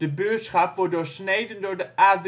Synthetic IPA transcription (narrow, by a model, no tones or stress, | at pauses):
d̥əbøtsχɑpʋɔɹ̚doːɹsnejdəndoːɹdəʔaːd